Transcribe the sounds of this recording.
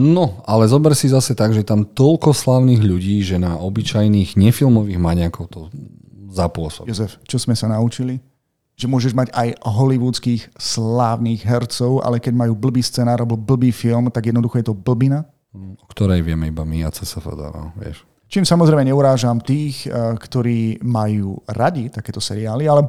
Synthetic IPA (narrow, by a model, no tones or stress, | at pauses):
nɔalɛzɔbɛɾsizasɛt̪aɡʒɛt̪amt̪ɔlkɔslaːʊniːɣʎuɟiːʒɛnaɔbit͡ʃajniːɣɲɛfilmɔʋiːɣmaɲɪakɔʊt̪ɔ | zapʊɔsɔbjɔzɛft͡ʃɔz̥mɛsanaut͡ʃili | ʒɛmʊɔʒɛʒmaɟajɦɔliʋuːt͡skiːxslaːʊniːɣɦɛɾt͡sɔʊʔa̰lɛkɛɟmajuːbl̩biːst͡sɛnaːɾlɛbɔbl̩biːfilmt̪aɡjɛd̪nɔd̪uxɔjɛt̪ɔbl̩bina | ɔkt̪ɔɾɛjʋɪɛmɛibamiat͡sɛsɛfɛ̰d̪a̰ɾa̰ʋɛ̰ʃ | t͡ʃiːmsamɔzɾɛɪmɛɲɛuɾaːʒamt̪iːxkt̪ɔɾiːmajuːɾaɟit̪akɛːt̪ɔsɛɾiaːlialɛ